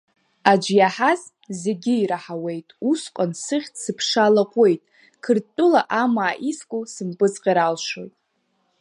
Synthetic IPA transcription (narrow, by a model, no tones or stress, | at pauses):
ad͡ʒjaħaz | ze̞ɡʲiiɾaħawe̞jtʼusqʷʼansɨχʲtʰsɨpʰʂalaqʷʼe̞jtʼ | kʰɨrtʼːʊlaʔamaːʔiskʷʼusɨmpʼɨzʼqʲʼaɾalʃo̰tʼ